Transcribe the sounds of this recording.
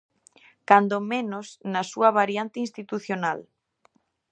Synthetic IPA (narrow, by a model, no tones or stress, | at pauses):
kand̪omenʊsnɐsuɐβaɾjant̪ɪinst̪it̪uθjonal